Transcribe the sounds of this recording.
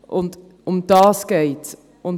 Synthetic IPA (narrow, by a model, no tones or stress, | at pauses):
ʔʊnt | ʊmd̥ɑːsɡ̥eɪt | ʔʊn